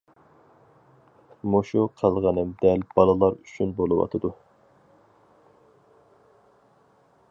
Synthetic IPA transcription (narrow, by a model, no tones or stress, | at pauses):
moʃuqʰɑlˠʁɑnɨmd̪ɛlb̥ɑlˠɨlˠɑɾyt͡ʃʰynbolˠɨwɑ̰t̪ʰɨd̪u